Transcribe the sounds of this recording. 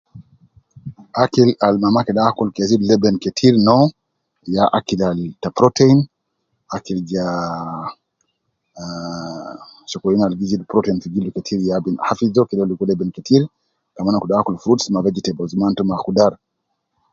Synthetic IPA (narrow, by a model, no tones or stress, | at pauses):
akilalmamakɛɗakulkɛzidlɛbɛnkɛtʰiɾnɔ | jaʔakilaltapɾɔtɛin | akild͡ʒa | ʃɔkɔlinalɡizidpɾɔtɛinfiɡilukɛtʰiɾjabinhafizɔkɛlɛlikuɔlɛbɛnkɛtʰiɾ | kamanakuɗakulfɾutsmavɛd͡ʒitɛbɔzumantɔmakudaɾ